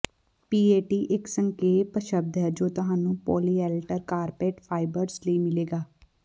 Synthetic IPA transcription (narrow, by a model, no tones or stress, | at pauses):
piːeːʈiːʔɪksəŋkeːpəʃəb̚d̪ɦɛːd͡ʒoːt̪ʊɦaːnũːpɔ̰ːliːɛːlʈəɾkaːɾpeːʈpʰaːɪbəɾsləiːmɪleːɡaː